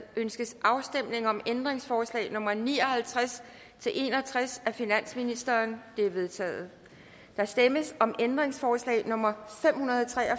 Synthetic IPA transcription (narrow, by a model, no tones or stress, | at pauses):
ʔønsɡ̥əsʔɑ̈ʊsd̥em̰ne̝ŋɒ̽mend̥ʁe̝ŋsfɒːslɛ̰ːnɔ̽mɐniːɒ̽hælt͡sʰʁas | t͡sʰe̝lʔe̝̰nɒ̽t͡sʰʁasæfinæn̰sminisd̥ɐːnb̥liʋe̝ðˠt͡sʰɛ̰ːð̩ˠ | d̥ɑ̈sd̥eməsɒ̽mʔend̥ʁeŋsfɒːslɛ̰ːɪnɔ̽mɐfem̰hunɐðˠt͡sʰʁɛɒ